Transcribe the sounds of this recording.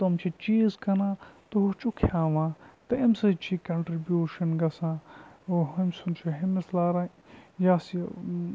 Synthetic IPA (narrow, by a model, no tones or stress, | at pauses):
t̪ɐmt͡ʃʰit͡ʃiːzkɐnãːt̪oɦut͡ʃukʰjãːʋãːt̪ɐʔɐmsɐt͡ʃʰikɐɳʈɾibjuːʃɐnɡɐsãːoɦɐmsunt͡ʃʰiɦɐmislaːɾãː | jasi